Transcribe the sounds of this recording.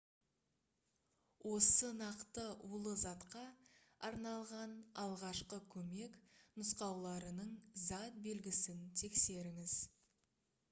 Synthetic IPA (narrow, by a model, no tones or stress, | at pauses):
wʔo̞sənɑqt̪əʔulˠəzɑt̪qɑɑɾnɑlˠʁɑnɑlˠʁɑʃqəkʲʰɵme̞knʊsqɑwlˠɑɾənəɴzɑt̪̚be̞lɡʲɪsɪnt̪ʰe̞kse̞ɾɪŋɪz̥